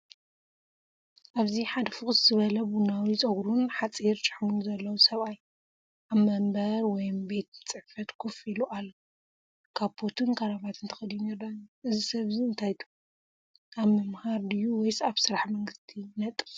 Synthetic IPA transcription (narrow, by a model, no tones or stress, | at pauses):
ʔaβziħad̪ɐfɨkʼzzɨβɐlɐbunawit͡sʼɐɡɾunħat͡sʼiɾt͡ʃʼɨ̥ħmunzɐlːɐwusɐβaj | ʔaβmɐmbɐɾwɔjmbe̞t̪̚ɨt͡sʼɨħfɐt̪kʰufiluʔalːɐ | kʰaβbʰot̪ʰɨnkʰɐɾaβat̪ɨnt̪ʰɨ̥xɨljuneɾd̪anuʔɨzisɐβziɨnt̪ʰajt̪ʰu̥ | ʔaβmɨmhaɾd̪ɨjuwɔjsaβsɨɾaħmɐŋɡɨst̪ʰinɐt̪ʼɨ